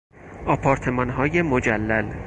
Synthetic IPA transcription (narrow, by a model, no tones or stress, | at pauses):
ʔɒːpʰɒːɾt̪ʰe̞mɒːnɦɒːjemod͡ʒælːæl